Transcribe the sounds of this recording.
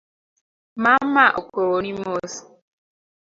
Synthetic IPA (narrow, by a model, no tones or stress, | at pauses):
mam̩maʔokoɾonimos